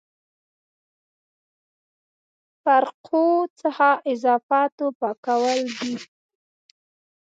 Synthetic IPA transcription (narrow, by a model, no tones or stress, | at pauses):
faɾqʰot͡səxɑʔɪzɑfɑt̪opɑkawəld̪i